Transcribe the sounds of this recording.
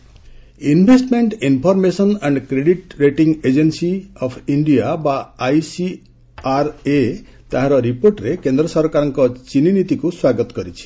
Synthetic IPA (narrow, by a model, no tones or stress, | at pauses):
inbʱesʈmeɳʈinpʰɔɾmesʌnaɳɖkɾeɖiʈɾeʈiŋɡed͡ʒensiʌpʰiɳɖijabaajsi | aɾe | t̪aɦãɾʌɾiporʈɾekend̪ɾʌsʌɾkaɾʌŋkɔt͡ʃininit̪ikoswaɡʌt̪ɡʌɾit͡ʃʰi̥